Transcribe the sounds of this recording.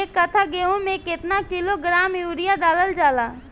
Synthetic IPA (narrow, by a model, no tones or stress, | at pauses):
ekət̪ʰaɡeːõmẽkɪt̪nakɪloɡɾaːmjuːɾijad̪aːləld͡ʒaːlaː